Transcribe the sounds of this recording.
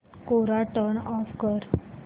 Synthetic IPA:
koɾaʈənɔfkəɾ

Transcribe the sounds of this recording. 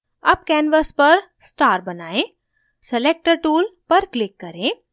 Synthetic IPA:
ɐb̚kɛːnʋəspɐɾ | sʈaːɾbɐnaːẽ | seleːk̚ʈəɾʈuːlpɐɾklɪkːɐɾẽː

